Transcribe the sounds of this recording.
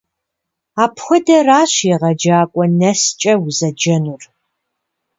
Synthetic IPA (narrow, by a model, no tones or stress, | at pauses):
aːpxʷɔdɐraːɕiʁɐd͡ʒaːkʷʼɔnɐst͡ʃʼɐwzɐd͡ʒɐnur